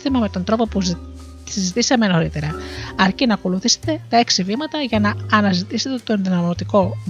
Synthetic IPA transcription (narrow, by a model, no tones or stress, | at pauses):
t̪imɐme̞t̪o̞nd̪ɾo̞po̞pu | sizit̪iseɐme̞nɐoɾit̪e̞ɾɐɐɾcinɐko̞luθise̥t̪e̞t̪ɐe̞ksivimɐt̪ɐʝɐnɐːnɐzit̪ise̞t̪e̞t̪o̞nðinɐmot̪iko̞